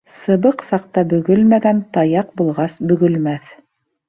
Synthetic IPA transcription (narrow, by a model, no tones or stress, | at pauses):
sɤ̆βɤqsɑq̚t̪ɑbɵ̆ɡɵlmæɡænt̪ɑjɑqbulˠʁɑsbɵ̆ɡɵ̆lmæθ